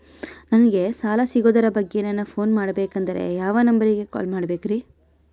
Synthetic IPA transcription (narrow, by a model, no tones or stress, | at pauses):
nɐnɐɡe̞saːlɐsiɡoːd̪ɐɾɐbɐɡːenɐnːɐpʰo̞ːnmaːɽɐbeːkɐnd̪ɐɾḛjaːʋɐnɐmbɐɾiɡe̞kɔ̰ːlmaːɽɐbeːkɾiː